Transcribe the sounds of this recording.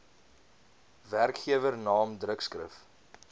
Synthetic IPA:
værkχiəvərnɑːmdrəkskrə̰f

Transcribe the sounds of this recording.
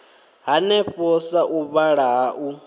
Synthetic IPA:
ɦanɛɸɔsaʔuβaɺaːʔu

